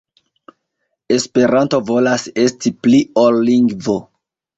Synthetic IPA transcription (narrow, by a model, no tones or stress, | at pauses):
e̞spe̞ɾanto̞vo̞lase̞stipliolːiŋɡvo